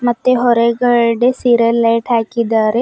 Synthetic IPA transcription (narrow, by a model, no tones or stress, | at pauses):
mɐt̪ːeɦɔɾeɡɐɾɖesiɾəlːɐʈʰaːkid̪aːɾe